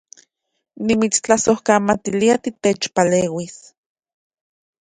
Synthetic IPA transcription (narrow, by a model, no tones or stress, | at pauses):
nimit͡st͡ɬasohkamat̪iliat̪it̪et͡ʃpaleːwis